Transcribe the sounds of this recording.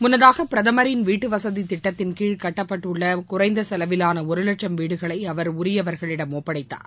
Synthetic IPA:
mʊnːɐðaːɣɐpːɪɾɐðɐmɐɾɪnʋiːʈːɯʋɐsɐðit̪ɪʈːɐt̪ːɪnkiːɻkɐʈːɐpːɐʈːɯɭːɐkʊrɐɪnd̪ɐsɐlɐʋɪlaːnɐɔɾɯlɐʈʂɐmʋiːɽɯɣɐɭɐɪɐʋɐɾʊɾɪjɐʋɐɾɣɐɭɪɽɐmːoːpːɐɽɐɪt̪ːa̰ːɾ

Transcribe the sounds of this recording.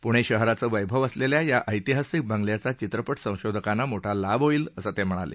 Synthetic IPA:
puɽ̃eɕəɦəɾat͡səːʋəjbʱəʋəsleljajaʔəjt̪iɦasik̚bʱãŋɡljat͡sat͡ɕit̪ɾəpəʈʰsə̃w̃ɕod̪ʱəkanːamoʈʰalabɦoiːləsət̪ɛm̤əɽ̃alḛ

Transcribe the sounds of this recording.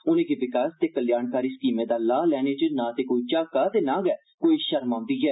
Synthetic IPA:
ʊnẽːɡiːʋɪkaːst̪eːkəljaːnkaːɾiːsə̥kiːmeːd̪aːlaːlɛːnẽːt͡ʃənãːt̪eːkoːiːt͡ʃaːkaːt̪eːnãːɡɛː | koːiːʃəɾmãːnd̪iːɦɛː

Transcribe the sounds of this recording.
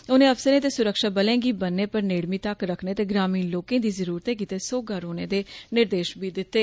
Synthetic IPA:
onẽːəpsəɾẽːt̪eːsʊɾəkʃaːbəlẽːɡiːbənːeːpəɾneːɽmiːt̪əkɾəkʰneːt̪eːɡɾaːmiːnloːkẽːd̪iːzəɾuːɾt̪eːk̬iːt̪eːsoːɡaːɾoːnẽːd̪eːnɪɾd̪eːʃbiːd̪ɪt̪ːeː

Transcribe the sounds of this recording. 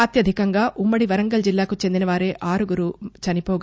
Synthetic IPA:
ɐt̪jɐd̪ʱikɐŋɡaːʔumːɐɽiʋɐɾɐŋɡɐld͡ʒilːaːkut͡ʃe̞nd̪inɐʋaːɾeːʔaːɾuɡuɾut͡ʃɐnipoːɡ

